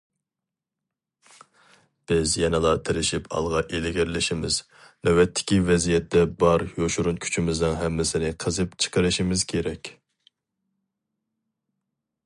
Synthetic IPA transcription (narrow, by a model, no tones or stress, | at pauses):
b̥ɪzjɛnɨlˠɑt̪ʰɪɾɪʃipʰɑ̰lˠʁɑʔelɪɡʲɪɾlɪʃimɪz̥ | nɛwɛt̪ʰːɪ̥kʲivɛzijɛt̪ːɛbɑɾjoʃuɾunkʲʰy̥t͡ʃʰimɪznɨŋɦɛmːɪsɪnɪqʰəzɨpt͡ʃʰə̥qəɾɨʃimɪz̥kʲʰeɾɛkʲ